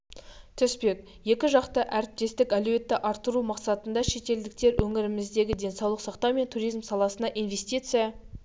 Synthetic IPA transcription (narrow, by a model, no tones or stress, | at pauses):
t̪ʰʏspe̞k̚ | je̞kʲɪʒɑqt̪əʔæɾɪp̚t̪e̞st̪ɪkælɵwe̞t̪ːɪʔɑɾt̪ːəɾumɑqsɑt̪ənd̪ɑʃe̞t̪e̞ld̪ɪk̚t̪e̞ɾwʔɵŋɪɾɪmɪzd̪e̞ɡʲɪd̪e̞nsɑwlˠəqsɑqt̪ɑwme̞nt̪ʰuɾijzmsɑlˠɑsənɑʔijnve̞st̪ijt̪sɨjɑ